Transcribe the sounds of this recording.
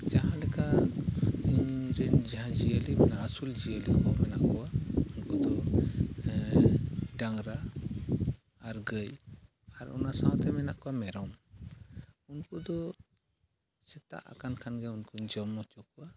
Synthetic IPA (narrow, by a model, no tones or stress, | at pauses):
d͡ʒaɦãɖɛka | iɲɾɛnd͡ʒaɦãd͡ʒiəlimɛnaːsuld͡ʒiəlimɔmɛna̰ʔkɔwaunkud̪ɔ | ɖaŋɾa | ɾɡəj | aɾɔ̰nasãwt̪ɛmɛnaʔkɔwamɛɾɔm | unkud̪ɔ | sɛt̪a̰ʔa̰kankʰanɡɛunkuɲd͡ʒɔmːɔt͡ʃɔkuwa